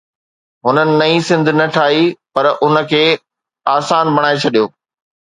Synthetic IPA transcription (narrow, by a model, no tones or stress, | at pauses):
ɦʊnənɪ̆nɐĩsɪ̃nd̪ʱnɐʈʰaːɦipɐɾʊnə̆kʰeː | aːsaːnbɐɽ̃aːet͡ɕʰɐɗijoː